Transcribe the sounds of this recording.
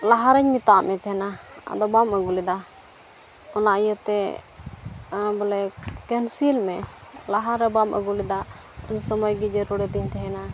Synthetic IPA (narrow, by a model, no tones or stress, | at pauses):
laɦaɾɛɲmit̪amɛt̪ɛɦɛnaa̰d̪ɔbaməɡulid̪a | ɔnaʔjət̪ɛ | bɔlɛkɛnsilmɛlaɦaɾːɛbamə̰ɡulid̪a | ɔɲsɔmɔjɡɛd͡ʒɛɾɔɽɛt̪iɲt̪ɛɦɛna